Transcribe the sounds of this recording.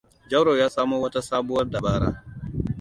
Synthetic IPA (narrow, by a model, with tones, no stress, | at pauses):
d͡ʒɐ˦wɾoː˨jaː˦saː˦moː˦wɐ˦ta˦saː˦bʊ˦wɐ˦rda˨baː˦ɾa̰ː˦